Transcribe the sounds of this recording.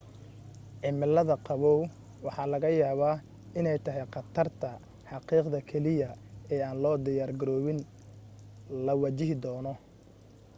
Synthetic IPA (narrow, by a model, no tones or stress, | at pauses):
ʕɪmɪlːɐðɐqɑβɔw | wɑħɑːlɐɣɐjaːβaː | ɪnɛjt̪ʰɐɦɛjqɑt̪ʰɐrt̪ʰɐ | ħɑqiːqd̪ɐkʰɛlɪjɐɛːaːnlɔːd̪ɪjaːrɡɐɾɔːβɪn | lɐwɑt͡ʃɪɦɪd̪ɔːnɔ